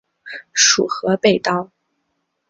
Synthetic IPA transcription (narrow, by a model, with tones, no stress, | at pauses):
ʂṵ˨˩xɤ˧˥pe˥˩ɪt̪ɑ˥ʊ